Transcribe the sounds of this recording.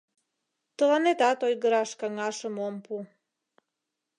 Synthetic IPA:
t̪olanet̪at̪ojɡɾaʃkaŋaʃəmompu

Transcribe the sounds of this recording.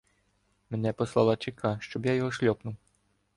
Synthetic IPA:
mʲɛnʲɛpɔslˠalˠat͡ʂikaʂt͡ʃɔbjajɔɣɔʃlʲɔpnuw

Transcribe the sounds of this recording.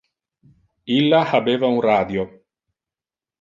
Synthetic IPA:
ilːahabeːvaunrad̪jo

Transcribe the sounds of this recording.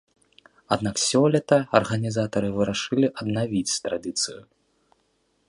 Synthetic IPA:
ad̪naksʲɔlʲɛt̪ɐɐrɣɐnʲizat̪ɐɾɨvɨɾaʂɨlʲiʔɐd̪navʲit͡sʲt̪ɾad̪ɨt̪sɨju

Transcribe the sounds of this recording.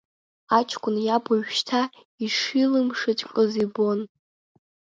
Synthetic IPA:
at͡ʃʰkʷʰʼʊnjabaɥʃtʰa | iʂilɨmʂɨt͡ʃʼqʼɨzibo̞n

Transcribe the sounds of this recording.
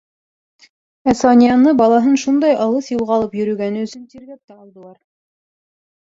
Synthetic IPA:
æsɑnʲijɑnɤbɑlˠɑɦɤnʃund̪ɑjʔɑlˠɤθjɤlˠʁɑlˠɤpjɵ̆ɾɵ̆ɡænɘɵ̆sɵ̆nt̪iɾɡæk̚t̪æɑlˠd̪ɤ̆lˠɑɾ

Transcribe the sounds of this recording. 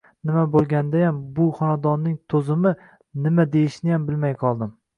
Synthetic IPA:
nɪmabolˠɡʲand̪ajambʊχɒnad̪ɒnːɪŋt̪ʰɵzɪmɪ | nɪmad̪ejɪʃnɪjambɪlmajqʰɒlˠd̪ɪm

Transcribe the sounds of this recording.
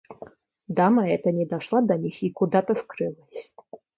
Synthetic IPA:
d̪amɐɛt̪ənʲɪd̪ɐʂlˠad̪ɐnʲixikud̪at̪ɐskɾɨlˠəsʲ

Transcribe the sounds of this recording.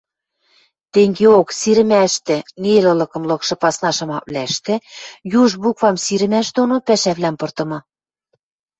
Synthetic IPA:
t̪eŋɡeoksiɾɘ̆mæʃt̪ĕnelɤ̆lɤ̆kɤ̆mlɤ̆kʃɤ̆pɑsnɑʃɤ̆mɑk̚βlæʃt̪ĕjuʒbukvɑmsiɾɘ̆mæʃd̪onopæʃæβlæmpɤ̆rt̪ɤ̆mɤ̆

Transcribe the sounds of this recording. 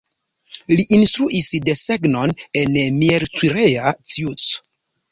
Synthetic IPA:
liʔinstɾuʔisde̞seɡno̞nenmieɾt͡swiɾeat͡siut͡s

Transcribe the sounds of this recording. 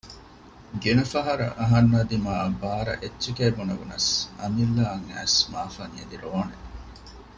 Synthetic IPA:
ɡenɐfɐɦɐɾɐ̰ʔɐɦɐnːɐːd̪imaːbaːɾɐ̰ʔetːt͡ʃekeːbunɐʋunɐ̰sɐ̰milːɐːŋæ̰ːsmaːfɐŋiɐd̪iɾoːne

